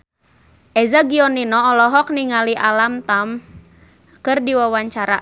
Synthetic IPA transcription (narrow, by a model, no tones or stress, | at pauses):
ʔɛzaɡiɔninɔːlɔɦɔk̚niŋaliʔalamt̪am | kɨrdiwawaɲt͡ʃaɾa